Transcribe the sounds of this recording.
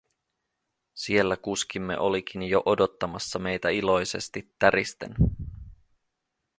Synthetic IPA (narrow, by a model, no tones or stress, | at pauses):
sie̞lːækuskimːe̞̰ʔo̞lik̟ʰinjo̞ʔo̞do̞t̪ːɑmɑsːɑme̞jt̪æilo̞jse̞̰st̪it̪ːæɾist̪e̞̰n